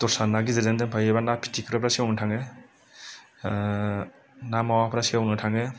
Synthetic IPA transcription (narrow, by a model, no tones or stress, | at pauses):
tɔɾsanaɡizezendɯnpʰajebanapʰi̥tʰikʰɾapʰɾasiawnɯtʰaŋe | namawapʰɾasiawnɯtʰaŋe